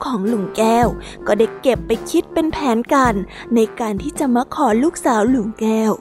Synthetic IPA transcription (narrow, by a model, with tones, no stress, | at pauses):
kʰɔː˩˦ŋlu˨˩˦ŋkɛː˥˩w | kɔː˥˩da˧˩je˨˩pːa˧jkʰi˦˥t̪̚pe˧npʰɛː˩˦nka˧nːa˧jkaː˧nt̪ʰiː˥˩t͡ɕa˨˩ma˧˥kʰɔː˨˦luː˥˩k̚saː˩˦wlu˨˩˦ŋkɛː˥˩w